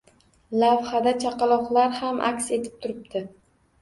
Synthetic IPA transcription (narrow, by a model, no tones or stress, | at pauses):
lavhad̪at͡ʃʰaqɑlˠɒχlaɾhamʔa̰kʲse̞t̪ʰɪ̥p̚t̪ʰʊɾɪp̚d̪ɪ